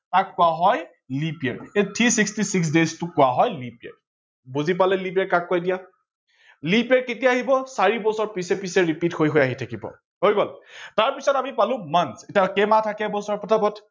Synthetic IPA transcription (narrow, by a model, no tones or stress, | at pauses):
kakːʊaɦɔj | lipiɛ̰ɹetʰisikstisiks̬deztʊkʊwaɦɔjlipiɛ̰ɹ | buzip̬alɛlip̬iɛɹkak̚ːʊajdija | lipiɛɹketijaaɦibɔsaɹibɔsɔɹpisɛpisɛɹipithojɦojaɦitʰakibɔ̰ | hoɹibɔltaɹpisɔtamipalʊ̃mansetiakɛmatʰakɛbɔsɔɹɔpɔtʰapɔt